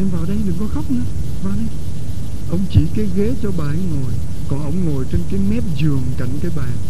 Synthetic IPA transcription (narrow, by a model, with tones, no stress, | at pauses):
ʔɛ˧mvaː˨˩wɗə˧jɗɨ˨˩ŋkɔ˨˦xa˦˥wk͡p̚nɨ˧˦ə | vaː˨˩wɗə˧j | ʔə˧wŋ͡mt͡ɕi˧˩ke˨˦ɣe˨˦t͡ɕɔ˧ɓaː˨˩ʔɛ˧ŋŋo˨˩j | kɔ˨˩nʔə˧wŋ͡mŋo˨˩jt͡ɕe˧nkaː˨˦jmɛ˦˥t̚zɨ˨˩əŋka˧˩jŋkaː˨˦jɓaː˨˩